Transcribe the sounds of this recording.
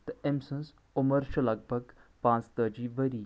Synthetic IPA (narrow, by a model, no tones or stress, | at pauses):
t̪ɐemsə̃ns | ʊməɾʃʰɐlɐɡ̚bʱəɡpãːt͡st̪əd͡ʒiːʋəɾiː